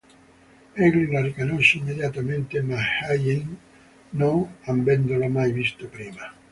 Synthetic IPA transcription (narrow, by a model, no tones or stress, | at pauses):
ɛɡlilarikonoʃːeimːed̪jat̪ament̪emahajin | noŋambɛnd̪olomajvist̪opɾiːma